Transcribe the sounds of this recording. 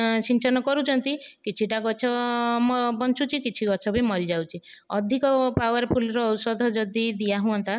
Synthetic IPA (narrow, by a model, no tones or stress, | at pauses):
t͡ʃint͡ʃɔnɔkɔɾut͡ʃʰɔnt̪ikit͡ʃʰiʈaɡɔt͡ʃʰɔmɔbɔnt͡ʃut͡ʃʰikit͡ʃʰiɡɔt͡ʃʰɔbʱimɔɾid͡ʒawt͡ʃʰi | ɔd̪ʱikɔpawaɾpʰulɔɾɔːwsɔd̪ʱɔd͡ʒɔd̪id̪iaɦuɔnt̪a